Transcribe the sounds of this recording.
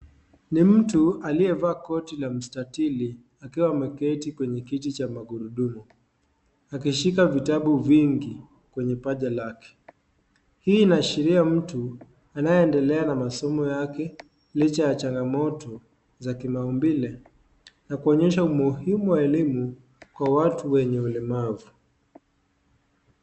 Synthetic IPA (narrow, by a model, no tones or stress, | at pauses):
nim̩tualijɛvaːkɔtilam̩statili | akiwamɛkɛtikwɛɲɛkitit͡ʃamaɡuɾuɗumu | akiʃikavitaɓuviŋɡi | kwɛɲɛpaʄalakɛ̥ | hiːnaʃiɾiam̩tu | anajɛɛndɛlɛanamasɔmɔjakɛ | lit͡ʃajat͡ʃaŋɡamɔtɔ | zakimaumbilɛ | nakuɔɲɛʃaumuhimuwaɛlimu | kwawatuwɛɲɛulɛmavu